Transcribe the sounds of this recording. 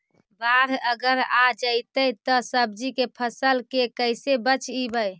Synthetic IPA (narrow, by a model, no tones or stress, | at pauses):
baɾəɡəɾad͡ʒəɪt̪əjt̪ɔsəb̚d͡ʒikepʰəsəlkekəjsebət͡ʃibəj